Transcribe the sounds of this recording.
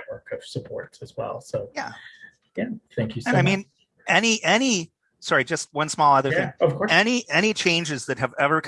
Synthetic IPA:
ʔ̚wɜ˞kʌv̥səpʰɔ̰ɹtsɨzwɛ̰lˠsoʊjæ | jæθæ̃ŋkʰjɨsɨ̃naɪmĩn | ɛniʔɛni | sɑɹid͡ʒʌst̚wʌ̃nsmɔlˠʌðə˞θɪ̃ŋʌv̥kʰɔɹɛniʔɛɾ̃it͡ʃʰẽɪ̃nd͡ʒɨzðɨt̚ɦɨvɛvə˞kʰ

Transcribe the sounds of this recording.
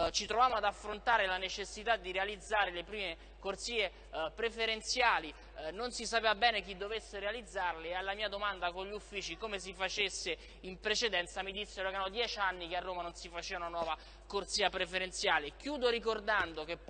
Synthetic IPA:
t͡ʃit̪ɾovaːmoad̪afːɾont̪aːɾelanet͡ʃesːit̪ad̪ːiɾealid̪zːaːɾelepɾiːme | kort̪siːe | pɾefeɾent̪sjaːli | nonsisapeːvabɛːnek̟id̪ːovesːeɾealid̪zːarlealːamiːad̪omand̪akoɲʎːiufːiːt͡ʃikomes̬ifat͡ʃesːe | impɾet͡ʃed̪ɛnt̪samid̪isːeɾoeɾanod̪jɛːt͡ʃanːikearːoːmanonsifat͡ʃeːvaunanwɔːva | kort̪siːapɾefeɾent̪sjaːlekjuːd̪oɾikord̪and̪okep

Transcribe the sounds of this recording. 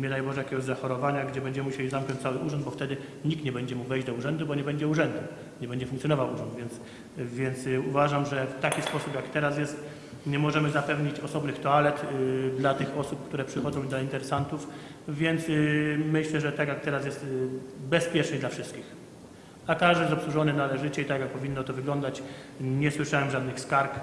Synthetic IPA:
mʲɲɛd̪ajbɔʐɛjakʲɛɡɔʑzaxɔɾɔvaɲaɡd͡ʑɛbɛɲd͡ʑɛmuɕɛlʲizamknɔ̃nɲt͡ɕ̚t̪sawɘuʐɔnd̪̚bɔft̪ɛd̪ɘ | ɲik̚t̪ɲɛbɛɲd͡ʑɛmuɡvɛjd͡ʑd̪ɔuʐɛnd̪ubɔɲɛbɛɲd͡ʑɛuʐɛnd̪u | ɲɛbɛɲd͡ʑɛfuŋk̪t̪jɔnɔvawuʐɔnd̪vʲjɛns | vʲjɛnt̪suvaʐamʐɛft̪akʲispɔsupjakt̪ɛɾas̬jɛst̪ | ɲɛmɔʐɛmɘzapɛvɲit͡ɕɔsɔbnɘxt̪ɔalɛt̪d̪lat̪ɘxɔsup̚kt̪uɾɛpʂɘxɔd̪zɔ̃w̃d̪laint̪ɛɾɛsant̪uf | vʲjɛnt̪smɘɕlɛʐɛt̪akjak̚t̪ɛɾas̬jɛst̪bɛspʲjɛt͡ʂnɘd̪lafʂɘst̪kʲix | akaʐd̪ɪjɛzɔpsuʐɔnɘnalɛʐɘt͡ɕɛit̪akjak̚pɔvʲinːɔt̪ɔvɘɡlɔnd̪at͡ɕ | ɲɛswɘʂawɛmʐad̪nɘxskaɾk

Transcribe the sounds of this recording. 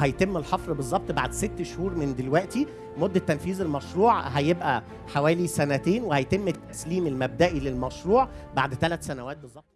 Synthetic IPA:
hæjt̪emːelħɑfɾbezˤːɑb̚t̪ˤbaʕd̪set̪ːʃhuːɾmend̪elwæʔt̪i | mod̪ːæt̪ːænfiːzelmæʃɾuːʕɦæjebʔæ | ħawæːlisænæt̪eːnwehæjt̪emːet̪ːæsliːmelmæb̚d̪æʔilelmæʃɾuːʕbaʕd̪t̪ælæt̪sænæwæːt̪̚bezˤːɑb̚t̪ˤ

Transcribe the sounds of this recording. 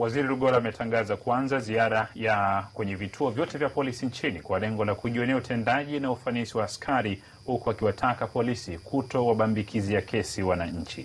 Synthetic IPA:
waziɾiɾuɠɔɾaːmɛtʰaŋɡazakwanzaziaɾajakwɛɲɛvitʰuɔvjɔtɛvjapɔlisiɲt͡ʃinikwalɛŋɡɔlakuʄiɔnɛautʰɛndaʄinaufanisiwaːskʰaɾi | hukuakiwatʰakapɔlisikʰutɔwaɓambikʰizijakɛsiwanaɲ̩t͡ʃḭ

